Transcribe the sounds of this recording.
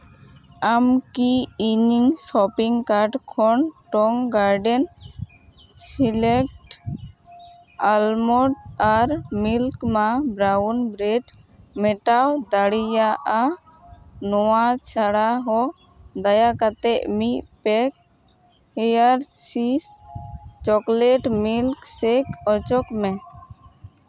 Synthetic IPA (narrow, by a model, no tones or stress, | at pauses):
amkiːɲiŋsɔpiŋkaɾɖkʰɔɳʈɔŋɡaɾɖɛn | silɛk̚ʈ | almɔɖaɾmilkmabɾawnbɾɛʈ | mɛʈawd̪aɽijaʔa | nɔwat͡ʃʰaɽaɦɔ | d̪ajakat̪ɛʔmiʔpɛk̚ | hɛjaɾsis | t͡ʃɔklɛʈmilksɛkɔt͡ʃɔkmɛ